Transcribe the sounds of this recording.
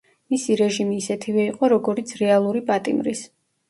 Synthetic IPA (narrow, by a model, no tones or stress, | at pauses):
misiɾɛʒimiːsɛt̪ʰivɛiqʼɔɾɔɡɔɾit̪sʰɾɛalˠuɾipʼat̪ʼimɾis